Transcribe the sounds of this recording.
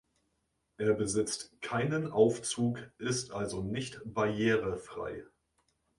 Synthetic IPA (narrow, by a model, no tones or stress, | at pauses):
ʔeːɐbəzɪt͡stkʰaɪnənʔaʊft͡suːkʔɪstʔalzonɪçtb̥aɐjeːʁəfʁ̥a̰ɪ